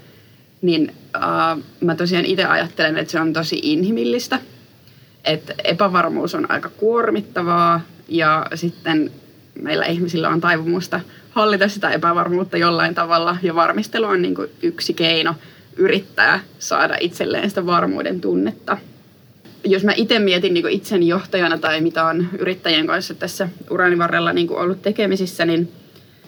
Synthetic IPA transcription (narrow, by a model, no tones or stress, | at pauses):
ninəmæt̪osiɑːnʔit̪eʔɑ̰jɑ̰t̪ːelenḛt̪seont̪osḭʔinhimilːist̪æ | ʔet̪ḛpæʋɑrmṵːsonʔɑ̰ikɑkuormit̪ːɑʋɑːjɑsit̪ːen | meilʔæ̰ʔihmisilːæ̰o̰nt̪ɑjʋumust̪ɑ | hɑlːit̪ɑssit̪æepæʋɑrmuːt̪ːɑjolːɑint̪ɑʋɑlːɑjɑʋɑrmist̪eluonnḭːŋkṵyksikeino | ʔyrit̪ːæ̰ːsɑ̰ːdɑ̰ʔit̪sḛlːḛːnsit̪æʋɑrmṵːdḛnt̪unːet̪ːɑ | josmæʔit̪emmiet̪inniːŋkuit̪senjoht̪ɑjɑnɑt̪ɑimit̪æony̰ɾit̪ːæjieŋkɑnsːɑt̪æsːæʔurɑːniʋɑrːḛlːɑniːŋkṵʔolːut̪t̪ekemisisːænin